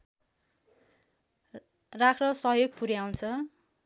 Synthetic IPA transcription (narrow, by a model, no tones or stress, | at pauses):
rakʰrʌsʌɦjoɡpuɾjaw̃nt͡sʰʌ